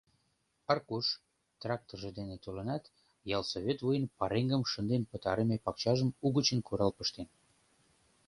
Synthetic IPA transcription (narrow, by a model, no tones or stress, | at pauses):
ɑrkuʃ | t̪rɑk̚t̪orʒĕd̪enet̪olənɑt̪ | jɑlsoβʲet̪vujənpɑɾeŋɡəmʃənd̪enpət̪ɑɾemepɑkt͡ɕɑʒəmuɣət͡ɕənkuɾɑlpəʃt̪en